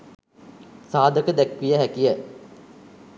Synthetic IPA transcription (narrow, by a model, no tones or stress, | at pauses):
saːd̪əkəd̪ækʋijəɦækijə